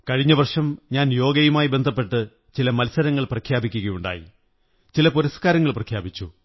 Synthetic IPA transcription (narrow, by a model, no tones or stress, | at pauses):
kɐɻiɲːɐʋɐrʂɐmɲaːnjo̞ːɡɐjumaːjibe̞nd̪ʱɐp̬ːe̞ʈːɨ | t͡ɕilɐmɐlsɐɾɐŋːɐɭprɐkʰjaːbikʲːuɣɐjuɳɖa̰ːjḭ | t͡ɕilɐpuɾɐskaːɾɐŋːɐɭprɐkʰjaːbit͡ɕːu